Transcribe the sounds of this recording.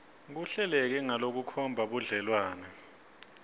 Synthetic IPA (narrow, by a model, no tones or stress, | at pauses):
k̬uɬɛlɛk̬ɛŋalok̬ukʰɔmbʱaɓuɮɛlwaːnɛ